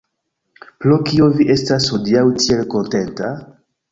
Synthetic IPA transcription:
plokioviʔe̞stashodiawtielko̞nte̞nta

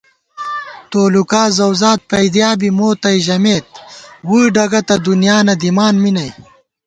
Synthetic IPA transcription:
t̪oːlukaːzɐwzaːt̪̚pɐjd̪jaːbimoːt̪ɐjʑɐmeːt̪̚wuːɖɐɡɐt̪ɐd̪unjaːnɐd̪imaːnminɐj

